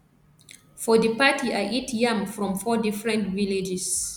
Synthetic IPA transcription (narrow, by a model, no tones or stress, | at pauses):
fɔdəpatiaʔitjãmfɹɔ̃mfɔdifɹɛ̃ntviled͡ʒɛs